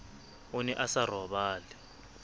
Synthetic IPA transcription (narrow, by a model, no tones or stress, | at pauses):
unɛʔasarɔɓaːlɛ